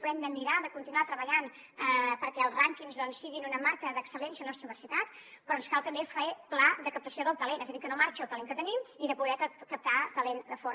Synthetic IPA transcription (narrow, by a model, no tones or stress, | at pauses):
pɾɛmd̪əmiɾaðəkunt̪inuat̪ɾəβəʎan | əpəɾkɛəlˠzraŋkinzðɔnsːiɣinunəmaɾkəðəksəlɛnsiənɔst̪ɾəuβəɾsit̪at̪ | pɾɔnskalˠt̪əmbefeplaðəkəp̚t̪əsioðəlˠt̪əlenɛzəðikənomaɾt͡ʃəlˠt̪əleŋkət̪ənimiðəpuðɛkəp̚t̪at̪əlend̪əfoɾ